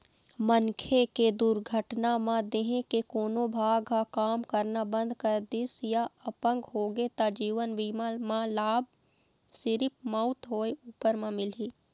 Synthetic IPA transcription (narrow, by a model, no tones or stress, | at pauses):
mənkʰeked̪uɾɡʱəʈnamãd̪eːɦẽkekoːnobʱaːɡkakaːmkəɾnabə̃nd̪ʱkəɾd̪ɪsjaəpə̃ŋɡɦoːɡet̪ad͡ʒiːʋənʋiːmamãlaːb̚ | sɪɾɪp̚mɔʊt̪ɦoːeuːpəɾmãmɪlɦiː